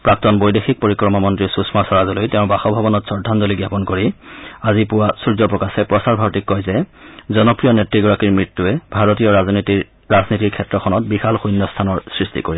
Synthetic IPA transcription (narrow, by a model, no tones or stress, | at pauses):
pɹak̚tɔnbojdexik̚poɹikɹɔmamɔntɹisusmasaɹazɔlojtɛʊ̃baxɔbʱabɔnɔtsɔɹdʱːanzɔliɡjapɔnkoɹiazipʊwasuɹzɔpɹɔkasɛpɹɔsaɹbʱaɹɔtikːɔjzɛzɔnɔpɹijɔnetɹiɡɔɹakiɹmɹitːuɛbʱaɹotijɔɹazniti | ɹaznitiɹkʰɛtɹɔxʰɔnɔt̚bixalxujnːɔstʰanɔɹsɹistḭkoɹi